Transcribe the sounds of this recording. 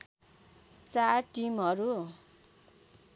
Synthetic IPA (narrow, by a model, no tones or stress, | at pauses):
t͡sarʈimɦʌɾu